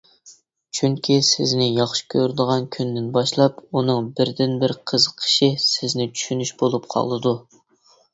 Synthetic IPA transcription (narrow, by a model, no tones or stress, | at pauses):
t͡ʃʰyŋkʲʰisɪznɪjɑχʃi̥kʲʰøɾd̪əʁɑnkʲʰynd̪ɪnbɑʃlˠɑpunɨŋbɪɾd̪ɪnbɪɾqʰəzqʰːə̥ʃisɪznɪt͡ʃʰy̥ʃynyʃbolˠup̚qʰɑ̰lˠːɨd̪u